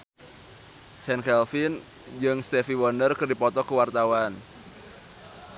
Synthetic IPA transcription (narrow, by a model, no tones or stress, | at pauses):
sɛnkɛlfin | d͡ʒɨŋst̪ɛfiwɔndərkɨrdipɔt̪ɔkəwart̪awan